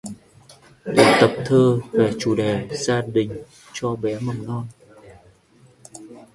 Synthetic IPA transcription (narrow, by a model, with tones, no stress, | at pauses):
t̪i˨˩t̪ə˨˩p̚t̪ʰəː˧ve˨˩t͡ɕu˧˩ɗe˨˩z̥aː˧ɗï˨˩ŋ̟ | t͡ɕɔ˧ɓɛ˨˦mə˨˩ŋ͡mnɔ˧n